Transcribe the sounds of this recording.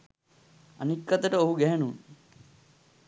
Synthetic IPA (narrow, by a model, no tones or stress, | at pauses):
ɐ̰nikːɐt̪ɐʈɐoɦuɡeɐnun